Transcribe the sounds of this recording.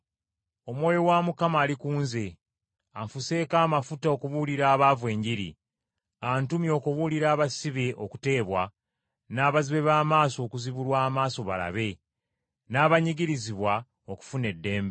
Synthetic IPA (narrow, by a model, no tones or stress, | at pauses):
o̞mwo̞ːjo̞wamukamaːlikuːnze̞ | aɱfuse̞ːkaːmafutao̞kuβuliɾaːβavwe̞ːɲɟiɾḭ | antumjo̞ːkuβuliɾaːβasiβeʔoku̥te̞ːβwa | naːβaziβe̞βaːmaːso̞ːkuziβulwaːmaːso̞βa̰la̰βe̞ | naːβaɲiɡiɾiziβwa | o̞ku̥fune̞dːe̞ːmbe